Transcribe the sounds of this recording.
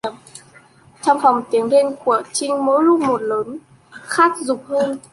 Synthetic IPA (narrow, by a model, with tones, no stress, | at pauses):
əm | t͡ɕɔ˧wŋ͡mfɔ˨˩wŋ͡mt̪i˨˦əŋɗe˧nku˧˩ət͡ɕï˧ŋ̟mo̰˧˦jlʊ˦˥k͡p̚mo˨˩t̚ləː˨˦n | xaː˦˥k̚zʊ˨˩k͡p̚həː˧n